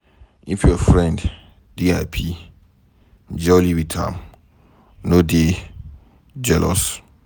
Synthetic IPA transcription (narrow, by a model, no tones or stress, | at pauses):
ḭ̃fiɔfɾɛ̃nd | diapʰi | d͡ʒɛliwitʰã̰m | node | d͡ʒɛlʔɔ̰s